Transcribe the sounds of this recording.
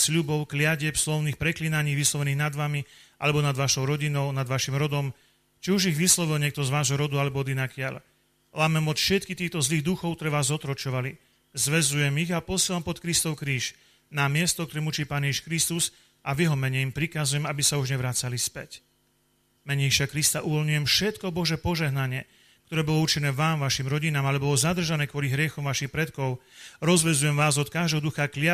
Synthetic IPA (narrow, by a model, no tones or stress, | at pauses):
sʎubɔʊklɪaɟɪɛpslɔʊniːxpɾɛklinaɲiːʋislˠɔʋɛniːɣnad̪ʋamiʔa̰lɛbɔnad̪ʋaːʃɔʊɾɔɟinɔʊnad̪ʋaʃimɾɔd̪ɔm | t͡ʃiuʒiɣʋislɔʋilɲɪɛk̚t̪ɔzʋaːʒɦɔɾɔd̪ualɛbɔɔd̪inakɪa̰ʎ | laːmɛmɔt̪fʃɛt̪kit̪iːxt̪ɔzliːɣd̪uxɔʊkt̪ɔɾɛʋaːzɔt̪ɾɔt͡ʃɔʋali | zʋɛzujɛmiɣapɔsiɛlampɔt̪kɾist̪ɔʊkɾiːʃ | namɪɛst̪ɔk̚t̪ɔɾɛːmut͡ʃiːpaːnjɛʒiʃkɾist̪uz | ʔavjɛɦɔmɛɲɛimpɾikazujɛmabisauʒɲɛʋɾat͡salispɛc | mɛɲɛʃɪakɾist̪aʔuʋɔlɲujɛmfʃɛt̪kɔbɔʒɛpɔʒɛɦnaɲɪɛ | k̚t̪ɔɾɛːbɔlɔut͡ʃinɛːʋaːmʋaʃimɾɔɟinaːmalɛbɔlɔzad̪r̩ʒanɛːkʋʊɔliɦɾɪɛxɔmʋaʃixpɾɛt̪kɔʊɾɔzʋɛzujɛmʋaːzɔt̪̚kaʒd̪ɛɦɔd̪uxaklɪa